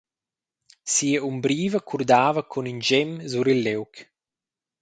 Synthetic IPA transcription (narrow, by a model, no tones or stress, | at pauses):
siːəumbɾiːvəkʰuɾd̪aːvəkʰunind͡ʒɛmzuɾilːɛwk